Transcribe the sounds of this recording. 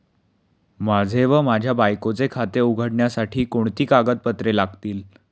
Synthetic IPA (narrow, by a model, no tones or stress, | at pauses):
mad͡zʱeʋəmad͡ʑʱjabajkot͡sekʰat̪euɡʱəɽɳjasaʈʰiːkoɳ̃t̪iːkaɡət̪̚pət̪ɾelaɡt̪iːl